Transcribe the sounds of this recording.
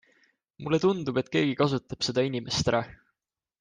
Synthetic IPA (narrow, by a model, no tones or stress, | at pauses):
mulːe̞t̪und̪̥ub̥e̞t̪̚ˑke̞ːɡ̥ikɑsut̪ːˑɑb̥se̞d̪̥ɑinʲime̞st̪ɾʔɑ